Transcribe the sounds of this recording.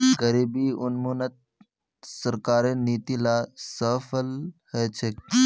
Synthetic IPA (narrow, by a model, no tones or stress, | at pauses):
ɡəɾiːbiʊnmuːnət̪̚ | səɾkaːɾeniːt̪ilaːsəːfəlhɛːt͡ʃʰek